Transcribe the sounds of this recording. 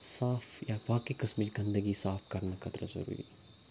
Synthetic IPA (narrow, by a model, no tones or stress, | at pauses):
saːfʰjabaːkikɐsmət͡ʃɡɐ̃nd̪əɡisaːfʰkɐɾnakʰɐt̪ɾɐ̰zɐ̰ɾṵːɾḭ